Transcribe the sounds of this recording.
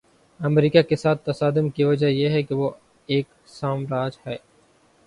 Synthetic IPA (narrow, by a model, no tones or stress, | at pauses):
ɐmɾiːkakesaːt̪ːɐsaːd̪ɪmkiʋɐd͡ʒajeɦɛkeʋo | eːk | saːmɾaːd͡ʒhɛː